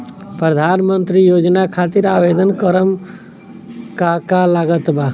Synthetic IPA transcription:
pɾəd̪ʱaːnmə̃nt̪ɾijoːd͡ʒnakʰaːt̪ɪɾaːʋeːd̪ənkəɾəm | kakalaːɡət̪baː

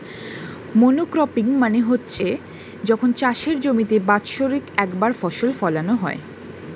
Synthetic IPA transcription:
monokɾɔpiŋmaneɦotːɕʰe | d͡ʑɔkʰont͡ɕaʃeɾd͡ʑomit̪ebatʃoɾikɛkbaɾfɔʃolfɔlanoɦɔe

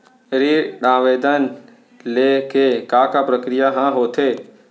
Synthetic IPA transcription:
ɾiɗãːʋeːd̪ən | leːkekaːkapɾəkɾijaɦãɦoːt̪ʰeː

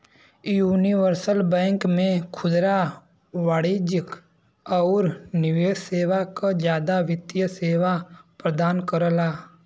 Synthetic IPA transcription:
juːniʋəɾsəlbɛ̃ːŋkmẽkʰʊd̪ɾa | ʋaːɽid͡ʒɪk | ɔːɾnɪʋeːʃseːʋakad͡ʒjaːd̪aʋɪt̪jəseːʋapɾəd̪aːnkəɾəlaː

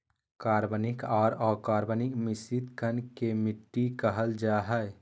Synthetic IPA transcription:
kaːɾbənɪkɔːɾɔːkaːɾbənɪkmɪsit̪kʰənkemɪʈːikəɦəld͡ʒaɦɛ

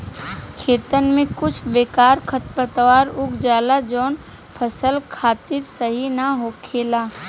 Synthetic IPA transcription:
kʰeːt̪ənmẽkʊt͡ʃʰbeːkaːɾkʰət̪bət̪əʋaːɾʊɡd͡ʒaːlad͡ʒɔːn | pʰəsəlkʰaːt̪ɪɾsəɦinaɦoːkʰeːlaː

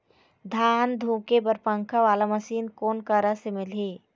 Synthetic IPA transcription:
d̪ʱaːnd̪ʱũːkebəɾpə̃ŋkʰaʋaːlaməsiːnkoːnkəɾasemɪleː

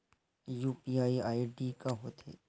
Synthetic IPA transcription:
juːpiaːiaːiɖikaɦot̪ʰḛː

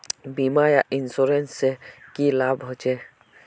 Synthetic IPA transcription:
biːmajaʔɪnsoːɾensekilaːbɦoːt͡ʃeː

